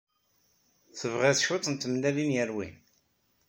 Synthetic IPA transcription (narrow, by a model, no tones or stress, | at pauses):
θəvʁeθʃot̪ˤnt̪əmnælinjəɾwḭn